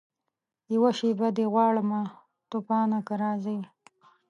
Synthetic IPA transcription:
jawaʃebad̪eɣwɑːɽəma | t̪opɑːnakaɾɑːzəj

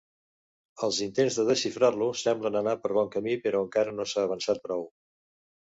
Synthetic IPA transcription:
əlˠzint̪enzðəðəʃifɾarlusɛmblənənapəɾβ̞ɔŋkəmipəɾɔəŋkaɾənosaːβ̞ənsat̪̚pɾɔw

